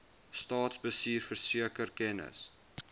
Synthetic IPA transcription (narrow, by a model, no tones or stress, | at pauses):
stɑːtsbəsiːrfərsiəkərkɛnə̰s